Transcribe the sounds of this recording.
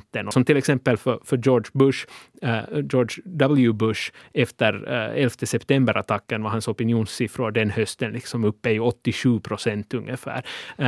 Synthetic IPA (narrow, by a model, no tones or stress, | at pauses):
t̪ːənɔsɔmt̪ʰɪlɛksɛmpːəlfœfœjɔːɖʂbɵʂ | jɔːɖʂd̪ɑbl̩jʉbɵʂɛft̪əɾɛlft̪ʰəsɛpt̪ʰɛmbəɾʔa̰t̪ʰɑkːənvaɦansɔpɪnjuːnsɪfɾʊd̪ɛnhœst̪ənlɪksɔmɵpːəɔt̪ːɪʂʉːpʰɾʊsɛnt̪ɵŋːəfæ̰ːɾ